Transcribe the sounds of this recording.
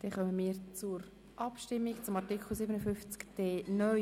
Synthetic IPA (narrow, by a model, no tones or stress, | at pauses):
d̥ɛχœməmiːəɾt͡sʊɾ | ʔɑpʃtɪmːikt͡sʊmɑtikl̩ˠsiːbənəfʏnft͡skd̥eːnœ